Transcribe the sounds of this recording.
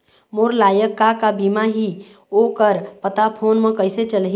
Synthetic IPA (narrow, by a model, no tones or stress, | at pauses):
moɾlaːjəkːakabimaɦiokəɾpət̪apʰoːnmẽkəɪset͡ʃəlɦ